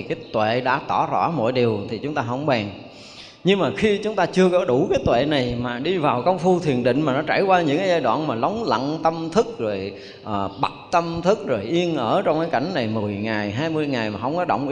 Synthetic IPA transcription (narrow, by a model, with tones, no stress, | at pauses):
i˨˩kaː˨˦jt̪wḛ˧˨ɗa̰ː˧˥t̪ɔ˧˩zɔ̰˧˥mo̰˧˥jɗi˨˩əwt̪ʰi˨˩t͡ɕʊ˨˦ŋ͡mt̪aː˧ɦə̰˧˥wŋ͡mɓaː˨˩ŋ | ɲɨ˧ŋmaː˨˩xi˧t͡ɕʊ˨˦ŋ͡mt̪aː˧t͡ɕɨ˧əkɔ˨˦ɗu˧˩kaː˨˦jt̪wḛ˧˨na˨˩jmaː˨˩ɗi˧vaː˨˩wkə˧wŋ͡mfu˧t̪ʰi˨˩ənɗḭ̈˧˨ŋ̟maː˨˩nɔ˨˦t͡ɕaː˧˩jkwaː˧ɲɨ̰˧˥ŋkaː˨˦jzaː˧jɗwa̰ː˧˨nmaː˨˩lə˨˦wŋ͡mlə̰˧˨nt̪ə˧mt̪ʰɨ˦˥k̚zo˨˩j | ʔəː˨˩ɓa˨˩t̚t̪ə˧mt̪ʰɨ˦˥k̚zo˨˩jʔi˧ənʔəː˧˩t͡ɕɔ˧wŋ͡mkaː˨˦jka˧˩jŋ̟na˨˩jmɨ˨˩əjŋaː˨˩jɦaː˧jmɨ˧jŋa˨˩jmaː˨˩ɦə˧wŋ͡mkɔ˨˦ɗə̰˧˨wŋ͡mʔ